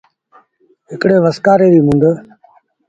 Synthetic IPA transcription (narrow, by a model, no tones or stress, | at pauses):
ɦɪkɽeːʋəskaːɾeːɾiːmʊ̃nd̪əː